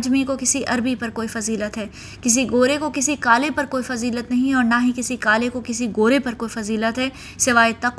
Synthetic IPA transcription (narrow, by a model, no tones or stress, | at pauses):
d͡ʒmikokɪsiʔɐɾbipɐɾkoːifɐziːlət̪ɦɛː | kɪs̬iɡoːɾekokɪsikaːlepɐɾkoːifɐziːlət̪nɐɦĩɔːɾnaɦikɪsikaːlekokɪsiɡoːɾepɐɾkoːifɐziːlət̪ɦɛː | sɪʋaːet̪ɐk